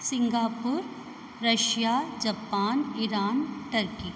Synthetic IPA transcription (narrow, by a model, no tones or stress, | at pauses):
sɪŋɡaːpuɾ | ɾɐʃjaːd͡ʒɐpaːniɾaːnʈɐɾki